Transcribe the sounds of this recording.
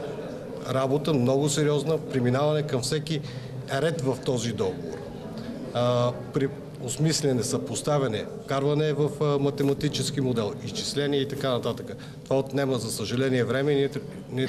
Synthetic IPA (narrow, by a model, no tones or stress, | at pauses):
ɾabot̪əmnɔɡʊsɛɾiɔznəpɾɛminavɐnɛkɐmfsɛki | ɾɛt̪vɐft̪ɔzid̪ɔɡovo̰ɾ | pɾi | osmislʲɛnɛsɐpost̪avɛnɛ | kaɾvɐnɛːvəfmɐt̪ɛmɐt̪it͡ʃɛsk̟imod̪ɛlˠist͡ʃislɛniɛit̪ɐkanɐt̪at̪əkə | t̪ovaot̪nɛməzɐsəʒɐlɛniɛvɾɛmɛn | nɛ